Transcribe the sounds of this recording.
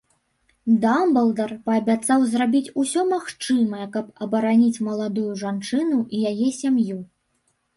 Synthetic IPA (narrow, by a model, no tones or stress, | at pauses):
d̪ambɐlˠd̪ɐrpɐːbʲat̪sawzrabʲit͡sʲusʲɔmaxt͡ʂɨmɐjɛkɐpɐbɐɾanʲit͡sʲmɐlˠad̪ujuʐant͡ʂɨnuʔijajɛsʲamju